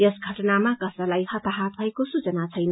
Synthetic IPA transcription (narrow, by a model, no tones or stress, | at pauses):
jʌsɡʱʌʈʌnamakʌsʌlajhʌt̪aɦat̪̚bʱʌekosut͡sʌnat͡sʰʌjnʌ